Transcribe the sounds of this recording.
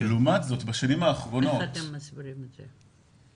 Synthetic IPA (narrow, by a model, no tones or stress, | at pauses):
lumatzo̞tbaʃanimhaːχʁo̞nno̞temːasbiɾimeze